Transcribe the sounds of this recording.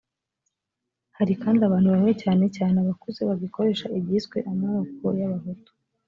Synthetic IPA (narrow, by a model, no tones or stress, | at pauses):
haɾikaːndiaβaːnhuβamŋecaːne̞caːneβakuze̞βaɡiko̞ɾe̞ːʃaʔibɟisɡwḛʔamaok̚ojaβaɦotu̥